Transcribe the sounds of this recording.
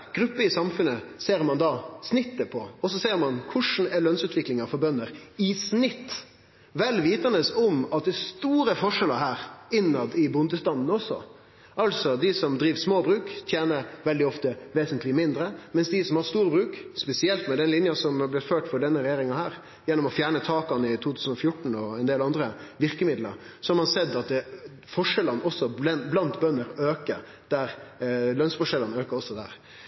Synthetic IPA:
ɡ̥ɾʉpːəɪsɑmfʉnəseːɾmɑnd̪ɑsnɪt̪ːəpʰɔɔs̬ɔseːɾmɑnkʰʊʂn̩ɛlœnsʉːt̪ʋɪklɪŋɑfɔɾbœnːəɾɪsnɪt̪ː | ʋɛlːʋiːt̪ɑnəsɔmɑt̪̚d̪ɛːst̪uːɾəfɔʂɛlə̰ɾɦæːɾɪnːɑd̪ɪbʊnd̪əst̪ɑnn̩ɔsɔ̰ | ʔɑlsɔd̪ɪsɔmd̪ɾiːʋsmoːbɾʉːkt̪ʰjeːnəɾʋɛld̪ɪɔft̪əʋeːsənt̪lɪmɪnd̪ɾəmɛnsd̪ɪsɔmhɑɾst̪uːɾəbɾʉːkspɛsɪɛlt̪mɛd̪ɛnlɪnjɑsɔmæblɪt̪føːʈfɔɖɛnːəɾɛjeːɾɪŋɑhæːɾ | jɛnːɔmɔfjæːɳət̪ʰɑːkɑnɪt̪ʰuːt̪ʰʉːsən̩ɔfjʊʈɳ̩ɔɛnd̪eːlɑnd̪ɾəʋɪɾkəmɪd̪ləɾ | sɔhɑɾmɑnsɛd̪ːɑt̪ | fɔʂɛlɑnɔsːɔlɛblɑnt̪bœnːəɾøːkəɾ | d̪̥æɾlœnsfɔʂɛlənøːkəɾɔsːɔd̪æ̰ːɾ

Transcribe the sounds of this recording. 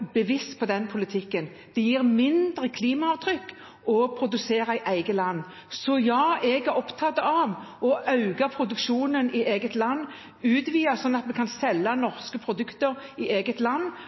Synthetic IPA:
b̥əʋɪst̪pʰɔd̪ɛnpʰʊlɪt̪ʰɪkːən | d̪̥ɛjiːʁmɪnd̪ɾəkʰliːmɑɑʋt̪ʰɾʏkː | ɔpʰɾʊd̪ʉseːɾɑɪʔæɪɡəlɑnː | sɔjɑːɛɡæɾɔpt̪ʰɑt̪ːəɑʋɔʔɑʉɡɑpʰɾʊd̪ʉkʃuːnənɪʔeːɡət̪lɑnː | ʉːd̪ʋiːɑsɔnːɑt̪mɛkʰɑnsɛlːɑnɔʁskəpʰɾʊd̪ʉkt̪əɾɪʔeːɡət̪lɑnː

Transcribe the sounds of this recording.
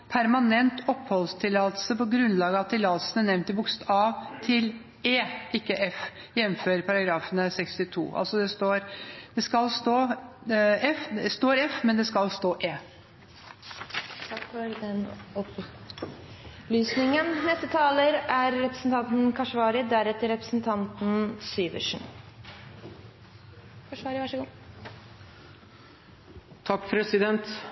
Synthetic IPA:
pʰæɾmɑnɛnt̪ɔpːhɔlst̪ʰɪlːɑːt̪l̩səpɔɡɾʉnlɑːɡəɑt̪̚ɪlɑːt̪lsən̩ənɛʋnt̪ɪbʊkst̪ʰɑʋt̪ʰɪl | eːɪkːəʔɛf | jɛnføːɾpʰɑɾɑɡɾɑːfənəsɛkst̪ɪt̪ʰṵːʔɑ̰lsɔd̪ɛst̪oːɾd̪̥ɛskɑlst̪oː | ɛfd̪ɛst̪oːɾɛfmɛnd̪ɛskɑlst̪oːʔeː | t̪ʰɑkːfɔɾd̪ɛnɔp | ɔplyːsnɪŋənnɛst̪ət̪ʰɑːləɾæɾːɛpɾəsən̩t̪ʰɑnt̪n̩kʰɑʂʋɑːɾɪd̪æɾɛt̪ːəɾɛpɾə̥sn̩t̪ʰɑnt̪n̩syːʋə̰ʂɳ̩ | kʰɑʂʋɑːɾɪʋɑʂəɡuː | t̪ʰɑkːpʰɾɛsɪd̪ɛnt̪

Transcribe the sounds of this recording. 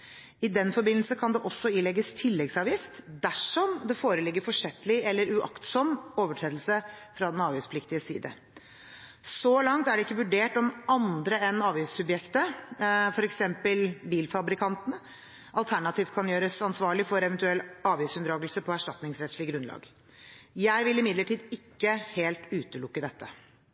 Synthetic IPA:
ɪd̪ɛnfɔɾbɪnl̩səkʰɑnd̪ɛʔɔsːɔɪlɛɡːəst̪ʰɪlːɛɡsɑːʋjɪft̪d̪æʂɔmd̪ɛfoːɾəlɪɡːəɾfɔʂɛt̪ːəlɪɛlːəɾʉʔɑ̰kt̪sɔmoːʋəʈʰɾeːd̪lsəfɾɑd̪ɛnɑːʋiːspʰlɪkt̪ɪəsḭːd̪ə̰ | sɔlɑŋt̪æɖɛɪkːəʋʉɖeːʈɔmɑnd̪ɾəɛnɑːʋjɪsʉbjɛkt̪əfɔɾɛksɛmpəlbiːlfɑbɾɪkʰɑnt̪ən̩ | ʔɑlt̪ʰæɳɑt̪ʰiːft̪kʰɑnjøːɾəsɑnsʋɑːɭɪfɔɾɛʋɛnt̪ʉɛlːɑːʋiːsʉnd̪ɾɑːɡəlsəpʰɔæʂʈɑt̪nɪŋsɾɛt̪ʂɭɪɡɾʉnlɑ̰ːɡ | jæɪʋɪlɪmɪd̪ləʈʰiːd̪ɪkːəheːlt̪ʉːt̪əlʊkːəd̪ɛt̪ːə

